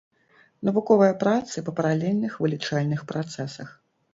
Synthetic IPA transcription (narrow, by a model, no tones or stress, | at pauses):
nɐvukɔvɐjɐpɾat̪sɨpɐpɐɾalʲelʲnɨxvɨlʲit͡ʂalʲnɨxpɾʔat̪sɛsɐx